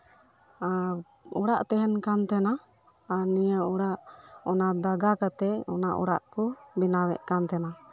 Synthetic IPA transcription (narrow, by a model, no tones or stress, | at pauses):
a | ɔɽaʔt̪ɛɦɛnkant̪ɛnaː | ɾnijəɔɽaʔɔnad̪aɡakat̪ɛɔ̰naʔɔ̰ɽa̰ʔkɔbinawɛ̰ʔkant̪ɛna